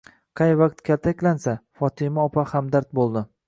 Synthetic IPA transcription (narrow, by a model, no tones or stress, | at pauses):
qʰɑjvaqt̪kʲʰalt̪ʰakʲlansafɒt̪ʰɪmaɒpʰahamd̪aɾt̪̚bolˠd̪ɪ